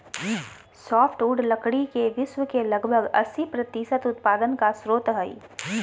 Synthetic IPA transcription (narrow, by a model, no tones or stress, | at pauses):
sɔːfʈuːɖlɐkɽikeʋɪswəkelɐɡbʱəɡɐ̰sːipɾɐt̪iːsət̪ʊt̪̚paːd̪ənkasɾoːt̪ɦɐḭː